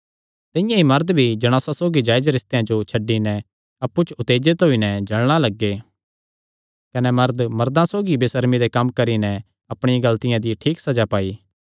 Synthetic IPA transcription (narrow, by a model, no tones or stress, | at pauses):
t̪ɪ̃jãimɐɾd̪bʱid͡ʒɐɽ̃aːsasoːɡid͡ʒaːɪd͡ʒɾɪst̪ejãd͡ʒot͡ʃʰɐɖinɛ | ɐpːut͡ʃʊt̪eːd͡ʒet̪ɦoinɛd͡ʒɐɭɽ̃alɐɡːe | kɐnɛmɐɾd̪mɐɾd̪ãsoːɡibɪsəɾmid̪ekɐmːkɐɾinɛ̃ | ɐpɽ̃ɪjãɡɐlt̪ɪjãd̪iʈʰiːksɐd͡ʒapaːiː